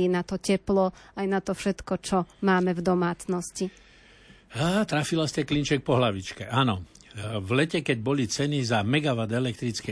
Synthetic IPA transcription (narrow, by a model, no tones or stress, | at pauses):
inat̪ɔcɛplɔajnat̪ɔfʃɛt̪kɔt͡ʃɔmaːmɛvd̪ɔmaːt͡snɔsci | at̪ɾafilascɛklint͡ʃɛk̚pɔɦlaʋit͡ʃkɛʔanɔ | vlɛcɛkɛɟbɔlit͡sɛnizamɛɡaʋad̪ɛlɛk̚t̪ɾit͡skɛ